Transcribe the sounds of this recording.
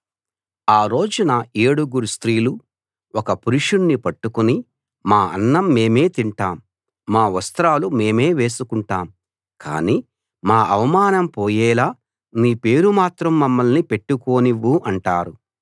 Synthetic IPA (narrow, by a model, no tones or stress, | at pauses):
aːɾo̞ːd͡ʒunɐeːɽuɡuɾust̪ɾiːlu | ɔkɐpuɾuʂunːipɐʈːukuni | maːɐ̰nːɐmːe̞ːme̞ːt̪iɳʈaːmː | aːʋɐst̪ɾaːlume̞ːme̞ːʋe̞ːsukuɳʈaːm | kʰa̰ːniː | maːʔɐʋɐmaːnɐmpoːjɛːlaː | miːpe̞ːɾumaːt̪ɾɐmːɐmːɐlnipe̞ʈːuko̞ːniʋːuʔɐɳʈaːɾu